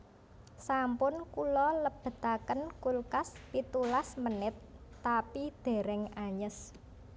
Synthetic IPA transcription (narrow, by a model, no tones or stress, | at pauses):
sampʊnkulɔləb̥ə̤t̪akənkulkaspit̪ulasmənɪt̪ː | apid̪̥e̤ɾɛŋaɲəs